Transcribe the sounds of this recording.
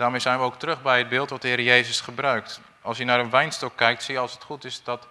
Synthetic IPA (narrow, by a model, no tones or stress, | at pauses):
d̥aːɹmejzɛjnʋəowk̚tərɵχbɛjəd̚bɪːlˠtʋɑt̚dəɦɪːɾəjejzəsχəbrœɥkt | ɑlˠsjənaːɾənʋɛjnstɔkːɛjk̚tsijəɑlˠsətχutɪsdɑt